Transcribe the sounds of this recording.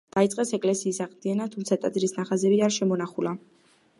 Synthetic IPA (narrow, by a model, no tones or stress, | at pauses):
d̪̥ait̪sʼqʼɛsɛkʼlɛsiːsaʁd̪ianat̪ʰumt̪sʰat̪ʼat̪zʼɾisnaχazɛbiaɾʃɛmɔnaχula